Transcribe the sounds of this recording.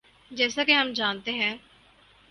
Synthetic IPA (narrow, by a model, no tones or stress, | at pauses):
d͡ʒɛːsaːkeɦəmd͡ʒaːnt̪eɦɛ̃ː